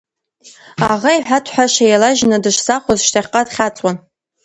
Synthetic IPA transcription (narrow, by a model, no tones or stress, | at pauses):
aʁaiħʷᶣatʰħʷaʃajalaʒnɨdɨʃsaχʷazʃtʰaχʲqʼadχʲat͡sʼwan